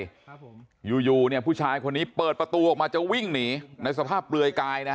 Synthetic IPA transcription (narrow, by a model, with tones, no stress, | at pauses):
juː˨˧juː˨˩ni˥˩əpʰuː˥˩t͡ɕʰaː˧jkʰo˧nːiː˦˥pɤː˨˩t̪̚pɾa˧t̪u˧ʔɔ˨˩k̚maː˧t͡ɕa˨˩wi˥˩ŋniː˩˦na˧js̬a˧pʰaː˥˩p̚ɾɯ˧əjkaː˧jna˦˥